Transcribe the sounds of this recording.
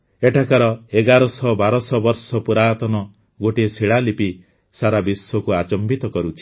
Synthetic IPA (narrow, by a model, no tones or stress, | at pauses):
eʈʰakaɾɔeɡaɾɔsɔbaɾɔsɔbɔɾsɔpuɾaːt̪ɔnɔ | ɡoʈisiɭalipi | saɾabiswɔkuat͡ʃɔmbit̪ɔkɔɾut͡ʃʰi̥